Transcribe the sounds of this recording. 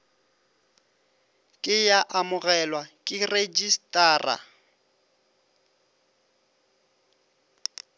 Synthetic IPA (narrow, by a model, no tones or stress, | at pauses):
kʼɪjaʔamʊɣɛlwakʼɪred͡ʒistʼaːra̰